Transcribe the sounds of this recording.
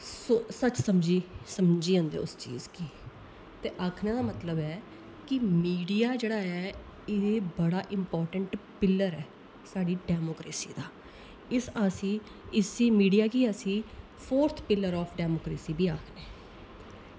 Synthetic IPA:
sosət͡ʃsəmd͡ʒiːsəmd͡ʒiːãːnd̪ḛːʊst͡ʃḭːzkiː | t̪eːʔaːkʰnẽːd̪aːmət̪ləbɛː | kɪmiːɖijaːd͡ʒeːɽaːɛː | ɪebəɽaːʔɪmpɔːɾʈəɳʈpɪlːəɾɛː | saːɖiːɖɛːmoːkɾḛːsḭːd̪aː | ɪsaːsĩː | ɪsiːmiːɖijaːkiːəsĩː | pʰoːɾt̪ʰpɪlːəɾɔːpʰɖɛːmoːkɾeːsiːbʱiːaːkʰneː

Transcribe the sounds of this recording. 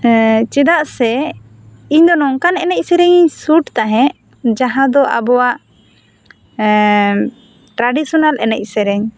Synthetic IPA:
t͡ʃɛd̪aʔsɛ | iɲd̪ɔnɔŋkanɛnɛc̚sɛɾɛɲiɲsuʈt̪aɦɛ̃ʔ | d͡ʒaɦãd̪ɔʔa̰bɔwaʔ | ʈɾaɖisɔnalɛnɛc̚ˀsɛɾɛɲ

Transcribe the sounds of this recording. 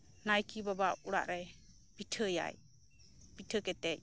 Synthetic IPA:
najkibabaʔuɽa̰ʔɾɛ | piʈʰəja̰j | piʈʰəkɛt̪ɛc̚

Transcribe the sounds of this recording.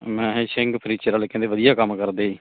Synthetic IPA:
mɛ̃ːɦsɪŋɡpʰəniːt͡ʃəɾaːlːkɛ̃ːnd̪eːʋəd̪ijaːkəmːkəɾd̪eːiː

